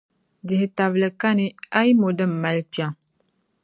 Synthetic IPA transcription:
dɪ˨hɪ˨ta˨βlɨ˨ka˦nɨ˦a˦ji˦mo˨dɨ˦m̩˨ma˦lt͡ʃa˨ŋ

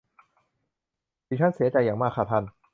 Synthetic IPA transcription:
iː˨˩t͡ɕ̪ʰa˥˨nsi˨˦ɐt͡ɕa˧jːaː˨˩ŋmaː˥˩kʰːa˨˩t̪ʰa˧˥˩n

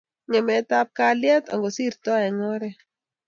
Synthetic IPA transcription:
ɲɛ˨mɛ˨ta˦p̚ka˦lja˦t̪a̰˨ŋɡɔ˨si˦ɾt̪ɔ˦ɛ˨ŋɔ˦ɾɛ˨

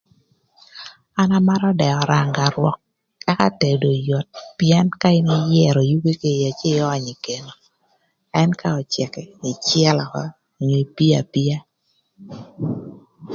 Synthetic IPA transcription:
a˦na˦ma˦ɾɔ˦dɛ˨ɔ˨ɾa˨ŋɡa˨ɾwɔ̰˦kː | a˦ka̰˦te˨do˨jo˨t̚pjɛ˦nka˦ɪ˦ni˦jɛ˦˨ɾo˨ju˦ke˦ke˨ja˨t͡ʃe˦ɔː˦˨ɲi˨ke˨no˨ | ɛ˦nka˦ɔ˨t͡ʃɛ˨kɛ˨i˨t͡ʃjɛ˦lɔ˨kɔ̰˦ | o˨ɲo˨i˨pi˦a̰˨pi˦a˦

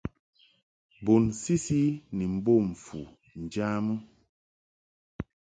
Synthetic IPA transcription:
bo˨nsi˦si˦ni˨m̩˦bo˦˨ɱ̩˨fṵ˨ | n̩˨d͡ʒa˦mu˦

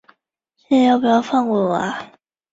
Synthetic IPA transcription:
ɕɛ˥˩˧jʊpu˨˩jɑ˥˧ʊfɑ˥˧˩ŋwɔ˥˩wa̰˨˧˦

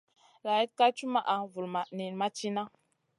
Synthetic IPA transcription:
la˨ji˦t̚ka˦t͡ʃu˦ma˦ʔa˨vu˨lma˨ni˨ma˦t͡ʃi˦na˦

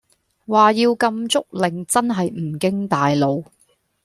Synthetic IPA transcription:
waː˨jiː˧wkɐ˧mt͡sʊ˥k̚lɪ˨ŋt͡sɐ˥nɦɐ˨jm̩˨˩kɪ˥ŋt̪aː˨jlo˨˧w

